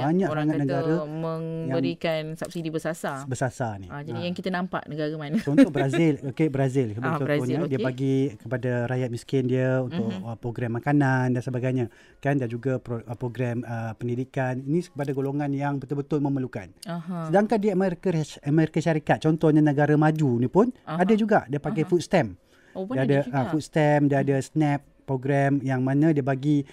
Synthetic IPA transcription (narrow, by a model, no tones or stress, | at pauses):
baɲakaŋanəɡɡaɾaməŋjabəŋɾikansap̚sidibəsasabəsasaniad͡ʒadijaŋkit̪anãmpa̰ʔnəɡaɾamansount̪ʊk̚bəɾazɪlokebəɾazɪlkəbəoɾɔɲɲadiəpaɡikəpadaɾajat̪̚miskɪndiəunt̪ʊkəpɾoɡɾamːakanandansəbaɡajɲa | kandad͡ʒuɡappɾoɡɾɛməpəndidikaninĩskəpadaɡoloŋanjaŋbət̪ʊlbət̪ʊlməməluka̰nsədaŋkandiəmeɾkəmeɾikəʃaɾikat̪̚t͡ʃɔnt̪ɔɲənəɡaɾamad͡ʒunipʊnadad͡ʒuɡaʔdiəpakajfut̪̚st̪ɛm | diadəfut̪̚st̪ɛmdiəadəsnɛp̚ | pːɾoɡɾɛmjaŋmanə̃diəbaɡi